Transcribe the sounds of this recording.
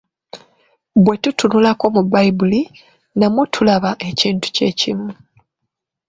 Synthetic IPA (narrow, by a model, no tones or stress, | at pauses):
bwe̞tutunulako̞mubajbuli | namwutʰulaβaʔe̞ciːntu̥ce̞cḭmu